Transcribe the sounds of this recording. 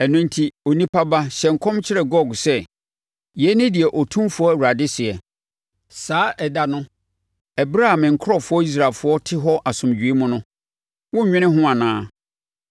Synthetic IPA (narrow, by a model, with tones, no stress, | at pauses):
ɛ˨nʊ̃˦n̩˦tʰi˦o˨nĩ˦pʰa˦ba˦ɕɛ˨ŋ̩˨kʰɔ̃˦mt͡ɕʰɪ˦ɾɛ˨ɡɔ˦˨ɡsɛ˦ | jɛ˨˦nɪ̃˦dɪ˨ɛ˨ʔɔ˨tʰũ˦mfʊ˨ɔ˦æ˨wu˨ɾa˨dɪ˦sɪ˨ɛ˨ | saː˨˦ʔɛ˨da˨nʊ̃˦ | ɛ˨bɾa˦ã˨mɪ̃˨ŋ̩˨kʰɾɔ˦˨fʊ˨˦ɔ˦i˦s̬ɾa˨lfʊ˨˦ɔ˦tʰɪ˦ɦɔ˦ʔa˨sʊ̃˨m˨d͡ʑᶣɥe˦mʊ̃˦nʊ̃˦ | wɔ˦˨ɲᶣɪ̃˦nɪ̃˦ɦʊ̃˦a˨nãː˦